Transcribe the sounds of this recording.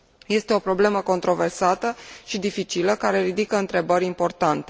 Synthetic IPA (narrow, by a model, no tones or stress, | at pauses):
je̞st̪e̞o̞pɾo̞ble̞məko̞nt̪ɾo̞ve̞rsat̪əʃid̪ifit͡ʃiləkaɾe̞ɾid̪ikəɨnt̪ɾe̞bəɾʲimpo̞rt̪ant̪e̞